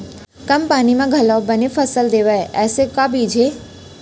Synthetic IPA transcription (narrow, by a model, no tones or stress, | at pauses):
kəmpaːnimãɡʱəlabənefəsəld̪eʋaeʔɛːsekabʱiːd͡ʒʱe